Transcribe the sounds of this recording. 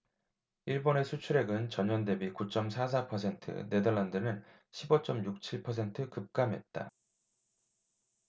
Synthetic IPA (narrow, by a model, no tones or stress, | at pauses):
iɭbone̞sʰut͡ɕʰuɾe̞ɡɯnt͡ɕʌɲʌnde̞bikut͡ɕ͈ʌmsʰas̬ʰapʰʌsʰe̞ntʰɯ̰ne̞dʌɭːandɯnɯn | ɕʰibʌt͡ɕ͈ʌmjuk̚t͡ɕʰiɭpʰʌs̬ʰe̞ntʰɯkɯp̚k͈amɦe̞̰t̚t͈a̰